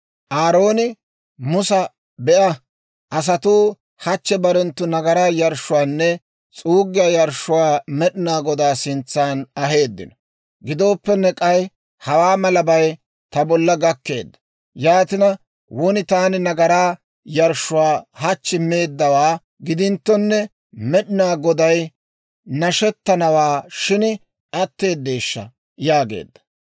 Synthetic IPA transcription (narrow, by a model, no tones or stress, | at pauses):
ʔaːɾo̞ːnɪ | mʊsɐ | bɛʔɐ | ʔɐs̬ɐt̪uː | hɐt͡ʃːɛbɐɾɛnt̪ːʊnɐɡɐɾaːjɐɾʃʊwaːnːɛ | t͡sʼuːɡɪjɐjɐɾʃʊwaːmɛɗɪnaːɡɔd̪aːsɪnt͡sːaːnɐɦe̞ːd̪ːɪ̰nɔ | ɡɪd̪o̞ːpːɛnːɛkʼɐj | hɐwaːmɐlɐbɐj | t̪ɐbɔlːɐɡɐkːe̞ːd̪ːɐ̥ | jaːt̪ɪnɐ | wʊnɪt̪aːnɪnɐɡɐɾaː | jɐɾʃʊwaːhɐt͡ʃːɪme̞ːd̪ːɐwaː | ɡɪd̪ɪnt̪ːɔnːɛ | mɛɗɪnaːɡɔd̪ɐj | nɐʃɛt̪ːɐnɐwaːʃɪn | ɐt̪ːe̞ːd̪ːeːʃːɐ̰ | jaːɡḛːd̪ːɐ̥